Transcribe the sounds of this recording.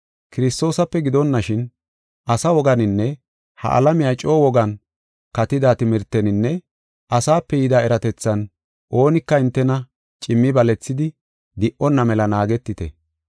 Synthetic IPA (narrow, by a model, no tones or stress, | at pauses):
kɪɾɪst̪o̞ːsɐpːɛɡɪd̪ɔnːɐʃɪn | ɐsɐwɔɡɐnɪnːɛ | hɐ̰ʔɐ̰lɐmɪjat͡ʃʼo̞ːwɔɡɐn | kɐt̪ɪd̪aːt̪ɪmɪɾt̪ːɛnɪnːɛ | ʔɐsaːpːɛjɪd̪aːɛɾɐt̪ɛt͡sːɐn | ʔo̞ːnɪkːɐɪnt̪ːɛnɐ | t͡ʃʼɪmːɪbɐlɛt͡sːɪd̪ɪ | d̪ɪʔʔɔnːɐmɛlɐnaːɡɛt̪ːɪt̪ɛ